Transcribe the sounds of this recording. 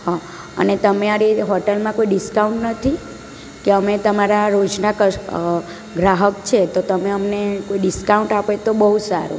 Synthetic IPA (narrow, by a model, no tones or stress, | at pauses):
ɦa | ə̰net̪əmeaɾeɦɔʈəlmãkoiɖiskauɳʈnət̪ʰi | keəmet̪əmaɾaɾod͡ʒnakə | ɡɾaɦəkt͡ʃʰet̪ot̪əmeəmnekoiɖiskauɳʈapet̪obəɦusaɾṵ